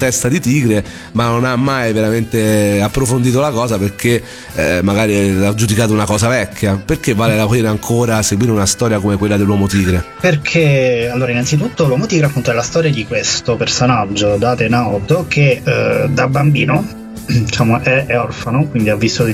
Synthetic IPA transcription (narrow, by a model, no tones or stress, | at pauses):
t̪ɛst̪ad̪it̪iːɡɾe | manːonamːajveɾament̪eapːɾofond̪iːt̪olakɔːsaperke | maɡaːɾilad͡ʒud̪ikaːt̪ounakɔːsavɛkʲːjaperkevːaːlelapɾiːɾeaŋkʰoːɾaseɡwiːɾeunast̪ɔːɾjakomekwelːad̪elːwɔːmot̪iːɡɾe | perkʰealːoːɾainːant̪sit̪ut̪ːolwɔmot̪iːɡɾeapːunt̪oɛlast̪ɔːɾjad̪ikwest̪opersonad͡ʒːod̪aːt̪enawt̪okʰed̪abambḭːno | d̪it͡ʃaːmoʔɛɛɔrfanokwind̪iavːist̪o